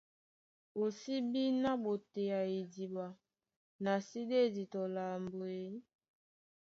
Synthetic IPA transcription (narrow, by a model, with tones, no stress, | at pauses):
o˨si˦bi˦na˦bo˨te˨ja˨i˨di˨ba˨ | na˨si˦de˦˨di˨tɔ˨la˨mbo˨e˨˦